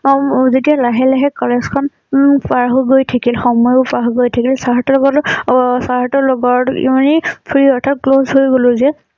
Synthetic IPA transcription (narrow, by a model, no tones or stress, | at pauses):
zetialaɦɛlɛɦɛkɔlɛzkʰɔn | paɦuɡojtʰakilxɔmɔjpaɦuɡojtʰakilsaɦatɔlɔɡɔtsaɦatɔlɔɡɔɹḭmanipʰɹiɔɹtʰat̚klozɦojɡolʊzɛ